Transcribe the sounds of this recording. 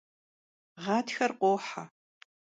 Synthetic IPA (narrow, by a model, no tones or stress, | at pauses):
ʁɑːtʰxɐrqʷoːħa